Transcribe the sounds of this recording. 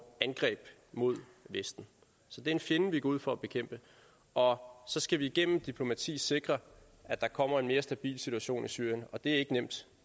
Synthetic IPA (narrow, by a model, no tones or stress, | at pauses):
ænɡ̥ʁɛ̰ːb̥ | mo̝ð̞̰ˠʋesd̥n̩ | sɒ̽d̥e̝æɐenfje̝nəʋiɡ̥ɒuð̰ˠfɒ̽æb̥e̝kʰem̰b̥ə | ʔɒ̽sɒ̽sɡ̥æʋiːɡ̥en̰m̩d̥ipʰlo̝mæt͡sʰḭːse̝ɡ̥ʁɐ | ʔæd̥ɑ̈kʰɒ̽m̰ɐe̝nme̝ːɐsd̥æb̥ḭːlsit͡suæɕo̝̰ːnisy̰ɐ̰jənɒ̽d̥e̝æɐe̝ɡ̥ənem̰d̥